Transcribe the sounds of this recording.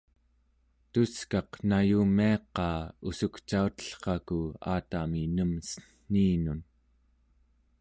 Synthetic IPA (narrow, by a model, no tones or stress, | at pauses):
t̪uskɑqnajumːiɑqɑːusukt͡ʃaut̪ə̥ɬχɑkua̰ːt̪aminəmsə̥nːiːnun